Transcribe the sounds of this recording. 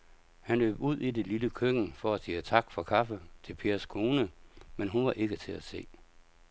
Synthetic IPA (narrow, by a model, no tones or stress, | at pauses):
hænlø̰ːb̥uð̞̰ˠide̝liləkʰøɡ̥n̩fɒæsiːət͡sʰɑ̈ɡ̥fɒ̽kʰɑ̈fət͡sʰe̝lpʰe̝ːɐskʰo̝ːnəmenɦunʋɑ̈ʔe̝ɡ̥ət͡sʰe̝læse̝̰ː